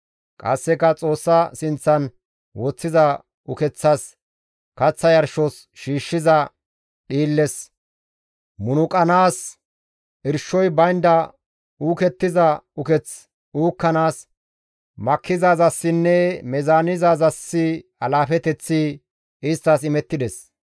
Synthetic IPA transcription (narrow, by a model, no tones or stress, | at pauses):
kʼɐ̰sːɛkɐt͡sʼo̞ːsːɐsɪnt͡sːɐn | wɔt͡sːɪzɐ | ʊkɛt͡sːɐs | kɐt͡sːɐjɐɾʃɔs | ʃiːʃːɪzɐ | ɗiːlːɛs | mʊnʊkʼɐnaːs | ʔɪɾʃːɔjbɐjnd̪ɐ | uːkɛt̪ːɪzɐʊkɛt͡s | uːkːɐnaːs | mɐkːɪzaːzɐsːɪnːɛmɛzaːnɪzaːzɐsːɪɐlaːfɛt̪ɛt͡sːɪ | ɪst̪ːɐsɪmɛt̪ːɪd̪ɛs